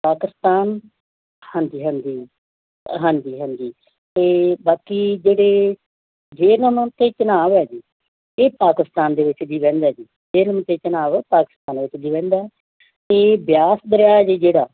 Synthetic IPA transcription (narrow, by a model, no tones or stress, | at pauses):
paːkɪst̪aːn | hənd̪iːɦənd̪iː | ɦə̃nd̪iːɦənd̪iː | t̪eːbaːkiːd͡ʒeːɽeː | d͡ʒeːnəmt̪eːt͡ʃənaːʋɛːd͡ʒiː | eːpaːkɪst̪aːnd̪eːʋɪt͡ʃd̪iːʋɛ̃ːnd̪aːd͡ʒiː | d͡ʒeːnəm̃ːt̪eːt͡ʃənaːʋɛːpaːkɪ̥st̪ãːnʋɪt͡ʃd̪iːʋɛ̃ːnd̪aː | t̪eːbjaːsd̪əɾjaːd͡ʒiːd͡ʒeːɽaː